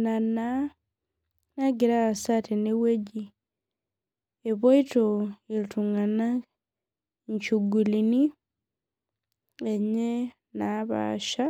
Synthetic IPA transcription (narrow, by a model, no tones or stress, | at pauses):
nana | naɡiɾaːsateneweɟi | eβoitoilituŋana | ɲt͡ʃuɡulini | eɲe | naβa̰ʃa